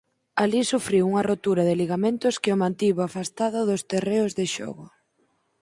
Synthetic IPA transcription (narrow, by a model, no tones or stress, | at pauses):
alisufɾiwuŋɐrot̪uɾaðɪliɣamẽnt̪ʊskɪʊmãnt̪iβoafast̪aðʊðʊst̪ereʊzðɪʃɔ̰ɣʊ